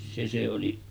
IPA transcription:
se se oli

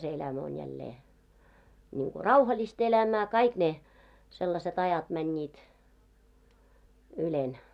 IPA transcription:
se elæmæ on jælːeː niːŋko rɑuhɑlist elæmæː kɑik ne selːɑset ɑjɑt mænʲːiːt ylen

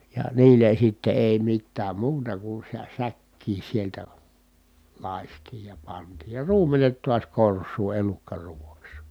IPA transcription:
jɑ niːlen̞ sitːe eˑi mitːæːm muːtɑ ku sæ sækːiːn̞ sieltæ lɑˑistiːj jɑ pɑntiːj jɑ ruːmenet tuɑs korsˑuː elukːɑruːʋɑks

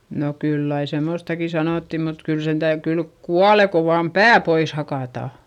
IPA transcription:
no kylː ɑi semoˑstɑki sɑnoˑtːi mut kyl sen tæy kylk kuɑle ko ʋɑːm pæː pois hɑkɑˑtɑ

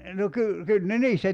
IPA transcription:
no ky kyl ne niːstæ

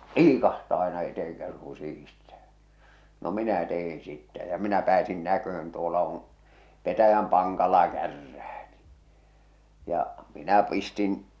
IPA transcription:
liːkɑhtɑː ɑenɑ eteh̞eŋkæsiŋ ku sihistæ̥ː no minæ teh̞in̞ sitːæ jɑ minæ pæːsin nækøh̞øn tuolɑ on̞ petæjæm pɑŋkɑlɑ kærːæː n̥i̥ jɑ minæ pistin

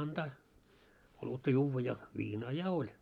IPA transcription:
ɑntɑː olutːɑ juːʋːɑ jɑ ʋiːnɑː jɑ olʲ

